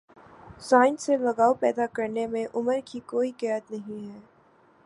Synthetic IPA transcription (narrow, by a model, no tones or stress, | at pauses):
saːɪnselɐɡaːopɛːd̪akɐɾnemẽʔʊməɾkikoːikɛːət̪nɐɦĩɦɛː